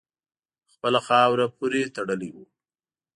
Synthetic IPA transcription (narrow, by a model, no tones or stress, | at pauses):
xpəlaxɑwɾapuɾet̪aɽəliwu